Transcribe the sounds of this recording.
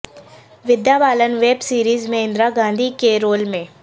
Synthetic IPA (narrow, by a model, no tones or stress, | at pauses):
ʋɪd̪japaːlənʋeːbsiːɾiːzmẽɪ̃nd̪ɾaɡãːnd̪ʱikeɾoːlmẽː